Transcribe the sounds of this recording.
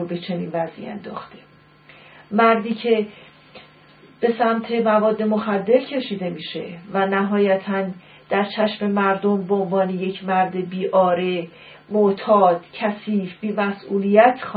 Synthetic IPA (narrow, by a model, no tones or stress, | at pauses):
obe̞t͡ʃʰe̞niːnvæzʔḭæ̰nd̪ɒːxt̪e | mæɾd̪iːcʰe̞ | b̥e̞sæmt̪ʰe̞mævɒːd̪ːe̞moxæd̪ːe̞ɾcʰe̞ʃiːd̪e̞miːʃe̞̰vænæɦɒːjæt̪ʰæn | d̪̥æɾt͡ʃʰæʃme̞mæɾd̪o̞mbeonvɒːneje̞cʰmæɾd̪ebiːʔɒːɾe̞ | moʔt̪ʰɒːd̪̥cʰæsiːfb̥iːmæsʔuːlijæt̪ʰx